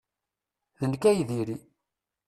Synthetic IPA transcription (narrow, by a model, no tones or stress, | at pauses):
ðənkæjðiɾi